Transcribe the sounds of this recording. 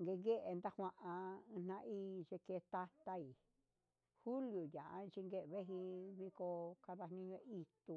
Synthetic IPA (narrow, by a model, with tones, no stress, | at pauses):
ŋɡe˧ŋɡe˦ʔe˧nd̪a˦hʷã˧ʔã˧ɨ̃˧n̥nã˧ʔiː˦t͡ʃe˧ke˧t̪a˦t̪a˧i˨ | hu˦lju˨jã˨ʔã̰˧˦˧t͡ʃi˧ŋɡe˦ʔβe˦ɦi˧βi˧ko˧ka˧ða˧hnĩ˧ɲõ˧ʔi˧t̪u˧